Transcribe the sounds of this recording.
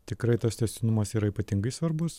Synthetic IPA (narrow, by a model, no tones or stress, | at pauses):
t̪ʲɪkɾɐɪt̪ɐst̪ʲɛsʲt̪ʲɪnʊmɐsiːɾɐiːpɐt̪ʲɪŋɡɐɪsʋɐɾbʊs